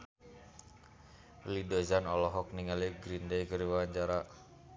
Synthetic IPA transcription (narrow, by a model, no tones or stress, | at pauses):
lidozanɔlɔɦɔk̚niŋaliɡɾindejkəɾiwaaɲt͡ʃaɾa